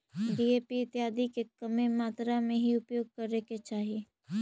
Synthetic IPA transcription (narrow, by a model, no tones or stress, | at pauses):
ɖiːeːpiɪt̪jaːd̪ikekɐmemaːt̪ɾamẽɦiʊpjoːɡ̚kɐɾeket͡ʃaːɦieː